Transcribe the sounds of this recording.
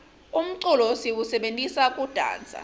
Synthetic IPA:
um̩ǀulɔsiwusɛɓentʼisakʼud̥ʱa̰ːnd͡zʱa̰

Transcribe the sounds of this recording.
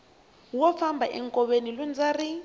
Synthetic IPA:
wɔfambʱaʔɛŋkʼɔβenilund͡zari

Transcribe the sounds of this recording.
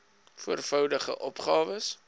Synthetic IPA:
fuərfɐwdəχə̰ʔɔpχɑːvəs

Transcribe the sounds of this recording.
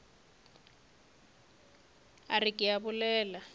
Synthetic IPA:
arɪkʼɪaβʊlɛːla

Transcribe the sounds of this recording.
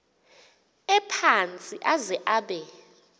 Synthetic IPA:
ɛpʰant͡sʼiʔazɛʔaɓɛ

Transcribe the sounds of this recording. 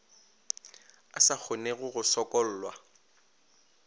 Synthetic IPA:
asak͡xʰʊneɣʊɣʊsɔkʼɔl̩ːlwa

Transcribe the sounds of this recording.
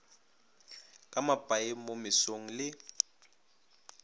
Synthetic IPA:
kʼamabʱʼaɪmomɪsoŋ̩lɪ

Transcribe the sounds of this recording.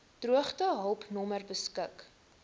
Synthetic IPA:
d̥ruəχtəɦəlˠpnɔmərbəskək

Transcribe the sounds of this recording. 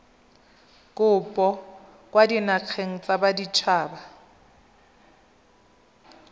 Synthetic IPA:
kʼʊpʼɔ | kʼwadinaq͡χʰeŋ̩t͡sʼabadit͡ʃʰaːba

